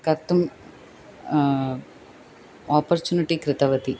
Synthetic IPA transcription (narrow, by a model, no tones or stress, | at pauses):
kɐt̪ːum | aːpɐɾt͡ʃuːniʈikɾɪt̪ɐʋɐt̪i